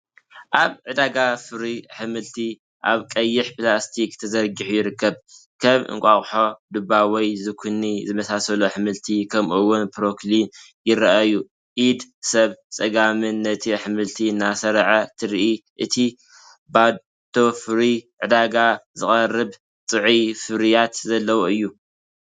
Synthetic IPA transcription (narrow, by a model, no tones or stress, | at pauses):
ʔaβʕɨd̪aɡafɨɾiħɨmɨlt̪ʰi | ʔaβkʼɐjːɪħplast̪ʰikt̪ʰɐzɐɾɡiħujɪɾɨkːɐbkʰɐmʔɨ̰ŋkʷʼaχʼħo̞d̪ubawɔjzɨkʰunːizɨmɐsasɐluħɨmɨlt̪ʰikʰɐmʔuwːʊnpɾoklin | jɪɾɐʔajːu | ʔid̪sɐβt͡sʼɐɡamɨnːɐt̪ʰiħɨmɨlt̪ʰinːasɐɾʕat̪ʰɨɾʔiʔɨt̪ʰi | bad̪̚ | t̪ʰofɾiʕɨd̪aɡazɨxʼɐrːɨb | t͡sʼɨʕijfɨɾijat̪zɐlːɐwoɨjːu